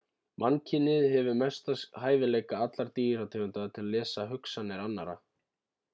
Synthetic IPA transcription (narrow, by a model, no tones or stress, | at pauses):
mʔancʰɪnːɪðɦɛvʏmɛst̪asɦaːjvɪleːjkaat̪laɾ̥t̪iːɾat̪ʰɪlʏnt̪aðt̪ʰɪlalɛːsaɦʏksanːɪɾanːa̰ɾa̰